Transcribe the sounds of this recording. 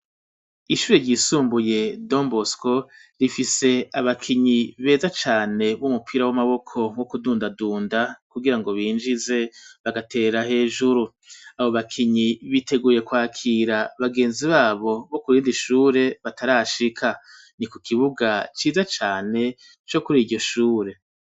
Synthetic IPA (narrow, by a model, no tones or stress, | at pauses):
iʃuːɾe̞ɾɟiːsuːmbuje̞do̞mbosko̞ɾifise̞aβakʰiɲiβe̞ːzat͡ʃaːne̞βumupʰiːɾawamaβo̞kʰo̞ŋwokuduːndaduːndakuɡiɾaŋɡo̞βiːnd͡ʒize̞βaɡatʰe̞ːɾahe̞ːʒuɾu | aβo̞βakʰiɲiβite̞ɡuːje̞kwaːkʰiːɾaβaɡe̞ːnziβaːβo̞βo̞kuɾiːndiʃuːɾe̞βatʰaɾaʃikʰa | nikukʰiβuɡat͡ʃiːzat͡ʃaːne̞ | t͡ʃo̞kuɾiːɟo̞ʃuːɾe̞